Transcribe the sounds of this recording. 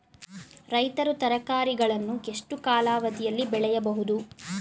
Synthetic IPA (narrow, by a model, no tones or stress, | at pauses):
ɾɐjt̪ɐɾut̪ɐɾɐkaːɾiɡɐɭɐnːueʂʈukaːlaːʋɐt̪ijɐlːibɛɭɛjɐbɐɦud̪u